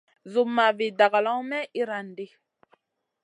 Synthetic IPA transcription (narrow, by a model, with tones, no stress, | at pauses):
zu˨mːa˨vi˨da˨ɡa˨lɔ˦mɛ˦i˦ɾa˨n˨di˦